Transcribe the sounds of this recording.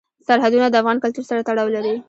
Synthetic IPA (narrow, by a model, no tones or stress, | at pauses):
saɾɦad̪unad̪əafɣɑnkalt̪uɾsaɾat̪aɽɑwlaɾi